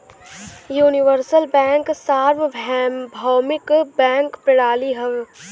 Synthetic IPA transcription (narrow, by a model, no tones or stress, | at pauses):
juːnɪʋəɾsəlbɛ̃ːŋksaːɾʋbʱɛbʱaːmɪkbɛ̃ːŋkpɾɪɽaːliɦəʋ